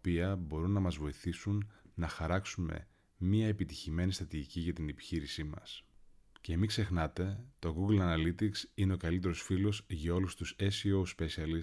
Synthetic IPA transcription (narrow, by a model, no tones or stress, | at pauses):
piɐbo̞ɾunːɐmɐzvo̞iθisunːɐxɐɾɐksume̞̰ | mɲiɐepit̪içime̞nist̪ɾɐt̪iʝiciʝɐt̪inepi̥çiɾisimɐ̰sce̞mikse̞xnɐt̪e̞t̪o̞ɣuɡlɐnɐlit̪iksine̞o̞kɐlit̪̬e̞ɾo̞sfilo̞sʝɐo̞lust̪usesio̞spesiɐli